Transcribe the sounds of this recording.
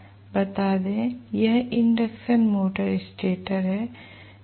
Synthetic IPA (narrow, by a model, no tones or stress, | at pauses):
bɐt̪aːd̪ẽːjɐɦɪɳɖɐksɐnmoːʈɐɾɪsʈeːʈɐɾɦɛ